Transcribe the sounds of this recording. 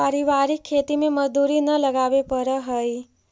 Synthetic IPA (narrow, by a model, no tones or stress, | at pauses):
aɾiʋaːɾikʰːeːt̪imẽməzd̪uːɾinələɡaːʋepəɾəɦəi